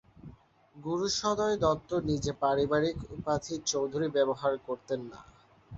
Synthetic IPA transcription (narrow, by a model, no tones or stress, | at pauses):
ɡuɾuʃɔd̪aed̪ɔt̪ːonid͡ʑepaɾibaɾikupad̪ʰʱit͡ɕowd̪ʱuɾibɛboɦaɾkoɾt̪enːa̰